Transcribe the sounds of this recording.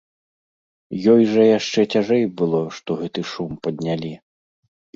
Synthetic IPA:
jɔjʐɐjaʂt͡ʂɛt͡sʲaʐɛjbɨlˠɔʂt̪ɔɣɛt̪ɨʂumpɐd̪nʲalʲi

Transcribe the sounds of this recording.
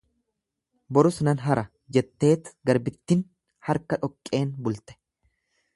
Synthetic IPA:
bɔɾʊsnɐnɦɐɾʔɐ | d͡ʒɛt̪ːe̞ːt̪ɡɐɾbɪt̪ːɪn | hɐɾkɐᶑɔkʼːe̞ːnbʊlt̪ɛ̥

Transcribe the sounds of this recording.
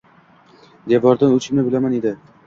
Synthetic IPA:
d̪evɒɾd̪anʊt͡ʃʰɪmnɪbɪlamaned̪ɪ

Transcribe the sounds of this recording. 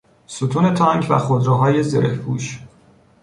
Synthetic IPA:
sut̪ʰuːne̞t̪ʰɒːŋcvæ̰xod̪ɾɒːɦɒːje̞zeɾehpʰṵːʃ

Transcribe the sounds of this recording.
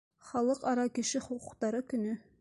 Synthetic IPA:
χɑlˠɤqɑɾɑkɘ̆ʃɘχuquqt̪ɑɾɤkɵ̆nɵ

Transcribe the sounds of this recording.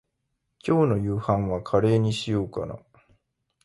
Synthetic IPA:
kʲo̞ːno̞jɯːhãɰ̃βakʰaɾe̞ːɲ̟iɕijoːka̰na̰

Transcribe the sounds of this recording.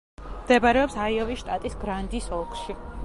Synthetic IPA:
md̪̥ɛbaɾɛɔpsaiɔviʃt̪ʼat̪ʼisɡɾand̪isɔlˠkʰʼʃi

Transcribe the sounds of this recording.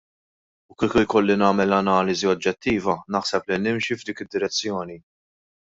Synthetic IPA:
ʊkiːkʊjkɔlːinɐːmɛlɐnɐːlɪziɔd͡ʒːɛt̪ːiːvɐnɐħsɛplinɪmʃivd̪iːkɪd̪ːɪɾɛt͡sːjɔːni

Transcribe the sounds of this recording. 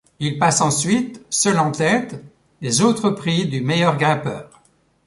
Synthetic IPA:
ilpasɑ̃sɥit̪sœlɑ̃t̪ɛt̪ | lezot̪χəpχid̪ymejœʁɡʁɛ̃pœːʁ

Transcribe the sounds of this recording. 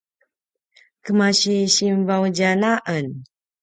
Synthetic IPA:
kəmaɕiɕimvawd͡ʒanaʔən

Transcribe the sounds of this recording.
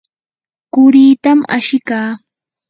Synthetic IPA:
kʊɾiːt̪ama̰ʃɪkaː

